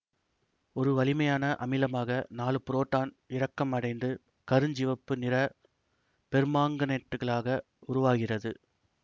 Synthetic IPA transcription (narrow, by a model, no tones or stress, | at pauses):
ɔɾɯʋɐlɪmɐjaːnɐʔɐ̰mɪlɐmaːɣɐnaːlɯpʊɾoːʈːaːn | ɪɾɐkːɐmɐɽɐɪnd̪ɯ | kɐɾɯɲd͡ʒɪʋɐpːɯnɪɾɐ | pɛɾɯmaːŋɡɐnɐʈːɯɣɐɭaːɣɐ | ʊɾʊʋaːɣɪrɐðɯ